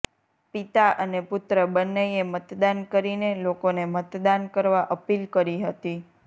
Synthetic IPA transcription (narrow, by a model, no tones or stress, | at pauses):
pit̪aʔənepʊt̪ɾəbənːəjemət̪d̪ankəɾinelokonemət̪d̪ankəɾʋaʔəpilkəɾiɦət̪i